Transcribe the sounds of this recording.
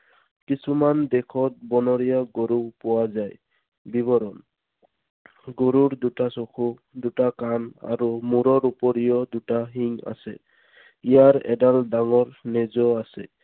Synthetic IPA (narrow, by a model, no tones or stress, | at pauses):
kisumand̪ɛkʰɔt̚bɔnɔɹijaɡoɾupɔwazaj | biβɔɾɔn | ɡoɾuɹd̪utasokʰu | d̪utakana̰ɾumuɾɔɾupɔɾijɔd̪utaɦiŋa̰sɛ̰ | ijaɹɛ̰daldaŋɔɹnɛzɔasɛ